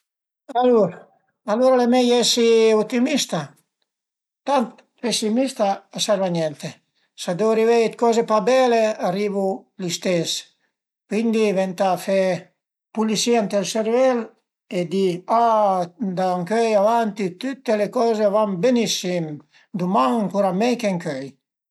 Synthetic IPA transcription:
aluɾ | aluɾalemejɛsiut̪imist̪a | t̪ant̪ | pesimist̪aːsaɾvaɲɛnt̪e | sad̪ewaɾivɛjt̪̚kɔzepabɛlearivulist̪es | kwind̪ivɛnt̪afe | pulisiant̪elseɾvɛl | ed̪ia | d̪aaŋkøjavant̪it̪ut̪ːelekɔzevambenisim | d̪umaŋŋkuɾamɛjkeŋkøj

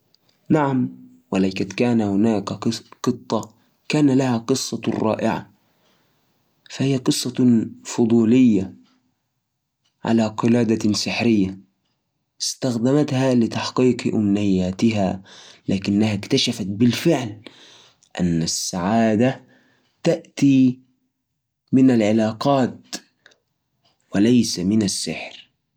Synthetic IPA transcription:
naʕam | walajkat̪kaːnahʊnaːkqɨt̪ˤːɑ | kaːnalahaqɨsˤːɑrˤːɑ̰ːʔɪʕa̰ | fahijːaqɨsˤːɑfʊd̪ˤuːlɪjːa | ʕa̰laːqɨlaːd̪asɪħɾɪjːa | ɪst̪axd̪amat̪halɪt̪aħqiːqʔʊ̰mnɪjːaːt̪ɪɦalaːkɪnːahakt̪aʃafat̪̚bɪlfɪʕl | ʔa̰nːasːaʕaːd̪a | t̪aʔt̪i | mɪnalʕɪlaːqɑːt̪̚ | wɪlajsamɪnasːɪ̰ħɾ

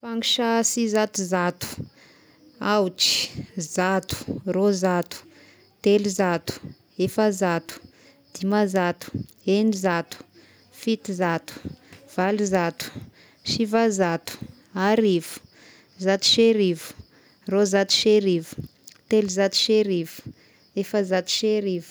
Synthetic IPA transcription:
faŋiʃasizat̪uzat̪u̥ | awt͡ʃi̥zat̪u̥rozat̪u̥ | t̪elizat̪u̥ | efazat̪u̥ | d̪̥imazat̪u̥ | enizat̪u̥ | fit̪izat̪u̥v̥alizat̪u̥ | ʃivazat̪u̥ | aɾivu̥ | zat̪u̥ʃeɾivu̥ | rozat̪u̥ʃeɾivu̥ | t̪eluzat̪u̥ʃeɾivu̥ | efazat̪u̥ʃeɾivu̥

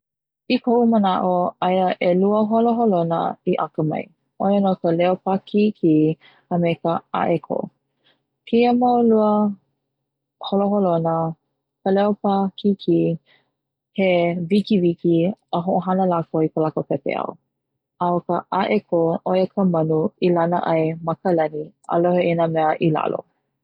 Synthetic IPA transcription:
ikʰoʔumənaʔoajəʔeluəɦoloɦolonə̰iʔakəmɐ̰j | ʔojənokəlɛopakʰikʰi | əmekəa̰ʔekʰo̰ | pʰiəmawluə | holoɦolonə | kəlɛopakikʰi | hevikivikiəɦoʔoɦanəlakoipəlakopɛpḛɐ̰w | awkəʔaʔekʰoʔojəkʰəmɐnuilanə̰ʔɐjmɐkəlɐnia̰loheinəmɛəʔila̰lo̰

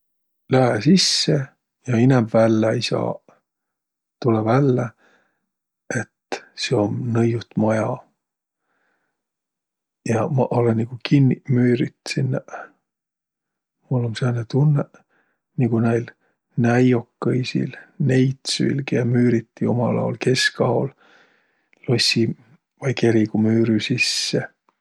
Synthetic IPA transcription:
læɦesisːe | jɑinɛmvælːeejsɑ̰ː | t̪ulevælːe | e̞t̪seomnɤjut̪mojɑ | jɑmɑʔolenːiɡ̥ukʰinʲːimyːɾit̪sinːæ | mulːomsenet̪unːe | niɡunæjl | næjo̞kːɯjsḭlne̞jt̪sy̰ilɡ̥eɑmyːɾit̪ːijumɑlɑ̰olke̞skɑol | losʲi | vɑjke̞ɾiɡ̥umyːɾysisːe

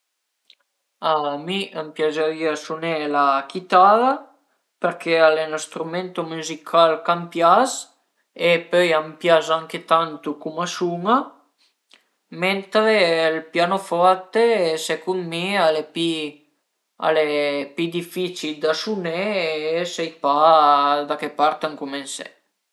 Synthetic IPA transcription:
amiʔampjazaviasunelakit̪ala | peɾkʰealenast̪ɾument̪omuzikʰalkampjas | epøjampjazaŋket̪ant̪ukumasuŋa | ment̪ɾelpjanofɔɾt̪esɛkunmialepi | a̰lepid̪ifit͡ʃild̪asunesɛjpad̪akepaɾt̪aŋkumensɛ̰

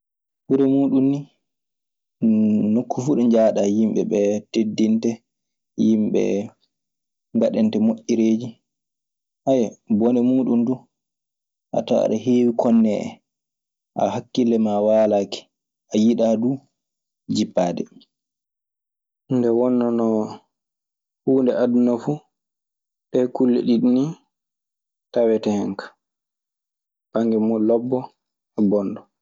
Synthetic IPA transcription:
ɓuɾɛmuːɗunni | nokːufuɗɔɲd͡ʒaːɗajimɓɛ̰ɓɛtedːintɛ | jimɓɛ̰ | ŋɡaɗɛntɛmoʔːiɾeːd͡ʒi | ʔajɛbɔnɛmuːɗundu | ʔa̰ta̰a̰ɗaɦeːwikʰɔnːɛʔɛ̰ | ʔa̰hakːilɛmawaːlaːki̥ | ʔajiɗadu | d͡ʒipːaːdɛ | ndɛwɔnːɔnɔ | huːndɛʔadunafu | ɗɛkulːɛ̰ɗiɗini | tawɛtɛhɛŋkḁ | baŋɡɛmɔlɔbːɔ | ɛbɔnɗɔ

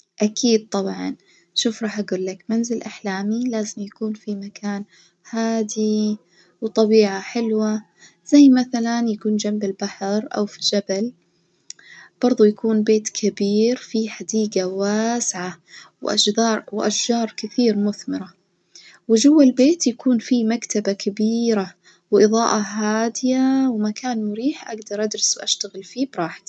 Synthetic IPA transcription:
ʔakʰiːd̪̚t̪ˤɑbʕɑ̰n | ʃuːfɾˤɑːħʔaɡuːlːakmanzɪlʔaħlaːmilaːzɪmjakuːnfimakaːn | haːd̪i | wt̪ˤɑbiːʕaħɪlwa | z̥ajːmaθalanjakuːnd͡ʒambɪlbaħɾʔa̰wfid͡ʒabal | b̥ɑɾˤðˤujakuːnbeːt̪kʰabiːɾfiħad̪iːɡawaːsʕawʔa̰ɑːɾwʔaʃʒɑːɾˤkɪθiːɾmʊθmɪɾa | wɪʒʊwːalbeːt̪jakuːnfimakt̪abakʰabiːɾa | wʔɨðˤɑːʔɑɦaːd̪ɪjawɪmakaːnmʊɾiːħʔaɡd̪ɑɾˤʔad̪ɾɑswʔaʃt̪aɣɪlfiːbɾˤɑːħɪ̥t̪

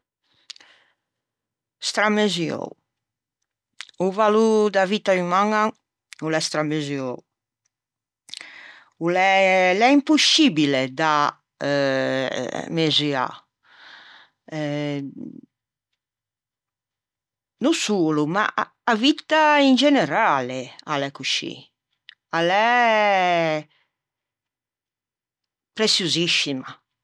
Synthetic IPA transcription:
st̪ɾameziɔ̰w | uvalud̪avit̪aymaŋa | ulɛst̪ɾamezjɔw | ulɛlɛimpusibiled̪a | mezia̰ | nosuːluma̰ː | vit̪ːaind͡ʒɛnɛɾaːlealɛkuʃḭ | alɛ | pɾesjuziʃima

